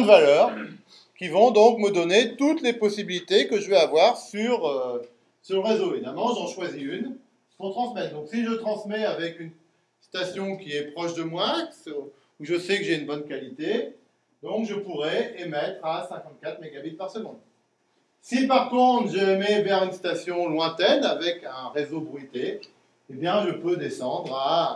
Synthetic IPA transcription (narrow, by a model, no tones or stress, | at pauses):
d̪valœːʁ | kʲivɔ̃d̪ɔ̃kməd̪ɔnet̪ut̪lepɔsibilit̪ekəʒəvɛavwaʁsyʁø | syʁləʁezoevid̪almɑ̃ʒɑ̃ʃwaziyn | fɔ̃t̪χɑ̃smɛtd̪ɔ̃ksiʒət̪χɑ̃smɛavɛkyn | st̪asjɔ̃kʲiɛpχɔʃd̪əmwaks | uʒəsɛkəʒeynbɔnkalit̪e | d̪ɔ̃kʒəpuʁɛemɛt̪χasɛ̃kɑ̃t̪̚kat̪χmeɡabit̪̚paʁsəɡɔ̃d̪ | sipaʁkɔ̃t̪χʒəmɛbɛʁynst̪asjɔ̃lwɛ̃t̪ɛnavɛkɛ̃ʁezobʁit̪e | ebjɛ̃ʒəpød̪esɑ̃d̪ʁa